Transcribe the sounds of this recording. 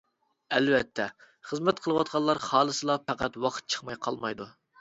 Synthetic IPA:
ɛlvɛt̪ʰːɛ | χəzmɛt̪qʰəlˠəwɑt̪̚qʰɑlːˠɑɾχɑːlˠəsɨlˠɑpʰæqæt̪wɑqʰə̥t̪̚t͡ʃʰə̥χmɑjqʰɑlˠmɑjd̪u

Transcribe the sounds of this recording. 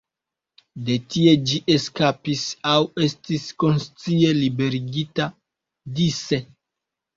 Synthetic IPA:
de̞tie̞d͡ʒiʔeskapisawe̞stisko̞nst͡sie̞libe̞ɾiɡita | dise̞

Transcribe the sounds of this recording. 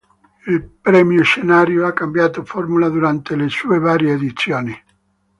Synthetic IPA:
ilpɾɛmjoʃenaːɾjoakːambjaːt̪ofɔrmulad̪uɾant̪elesuːevaːɾjeːd̪it̪sːjoːni

